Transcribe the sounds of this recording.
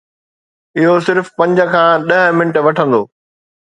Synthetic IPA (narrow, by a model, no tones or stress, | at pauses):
ɪɦosɪɾfpɐ̃ɲd͡ʑə̆kʰãːɗɐɦmɪnəʈʋɐʈʰə̃nd̪o̰ː